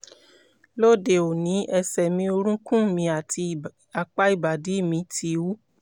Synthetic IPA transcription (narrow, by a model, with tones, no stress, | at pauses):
lo˦˨de˨o˨nĩ˨˦ʔɛ˧sɛ˨mĩ˧˦o˧ɾũ˦kũ˦˨mĩ˧a˨ti˧ | a˨k͡pa˦i˦˨ba˨di˨˦˨mĩ˧tʰi˧wu˦